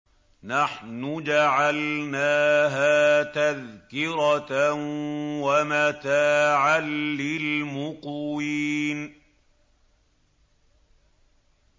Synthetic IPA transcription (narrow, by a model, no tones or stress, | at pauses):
naħnʊd͡ʒaʕalnaːɦaːt̪aðkɪɾɑ | wamat̪aːʕalːɪlmʊqwiːn